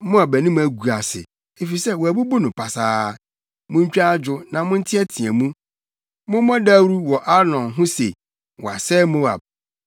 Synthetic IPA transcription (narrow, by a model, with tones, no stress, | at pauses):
mʊ̃˦a˨bæ˨nĩ˦m̃˦æ˨ɡu˨a˨sɪ̰˨ | e˨fi˨i˨sɛ˦˨wɔ˨æ˨bu˦bu˦nʊ̃˨pʰa˨saː˦ | mʊ̃˦ɲ˦t͡ɕᶣa˦d͡ʑᶣʊ˨nã˨mʊ̃˦n̩˦tʰɪ˦ɛ˦tʰĩ˨ɛ˨mũ˦ | mʊ̃˦mɔ̃˦da˦wɾu˦wɔ˨ʔa˦nɔ̃˨nɦʊ̃˦se˨ | wɔ˨a˨sɛː˦mʊ̃˦wa̰˨b̚